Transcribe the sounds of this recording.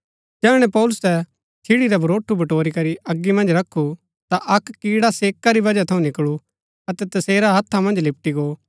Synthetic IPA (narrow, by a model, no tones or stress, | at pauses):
d͡ʒɛːɽ̃ɛ̃pɔːlʊst̪ɛ | t͡ʃʰiɽiɾabʱʊɾoːʈʰːubɐʈoːɾikɐɾiʔɐɡːimɐ̃nd͡ʒɾɐkʰːu | t̪aʔɐkːiːɽaseːkːaɾibɐd͡ʒat̪ʰɐũnɪkɭu | ɐt̪ɛt̪ɐseːɾaɦɐt̪ʰːamɐ̃nd͡ʒlɪp̚ʈiɡoː